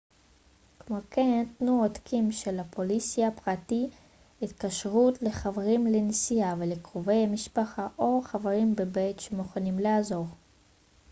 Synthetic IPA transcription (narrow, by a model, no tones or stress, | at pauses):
kmo̞ke̞ntnuodkʰimʃelapolisijapʁati | itkaʃʁutle̞χaveʁimlenisijavelekʁove̞jhamiʃpaχaʔo̞χaveʁimbebetʃemuχanimlaazo̞ʁ